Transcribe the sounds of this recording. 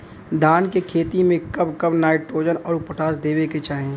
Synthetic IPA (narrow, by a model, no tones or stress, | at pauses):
d̪ʱaːnkekʰeːt̪imẽkɐbkɐbnaːɪʈʈɾoːd͡ʒənɔːɾʊpəʈʰaːsd̪eːʋeket͡ʃaːɦẽː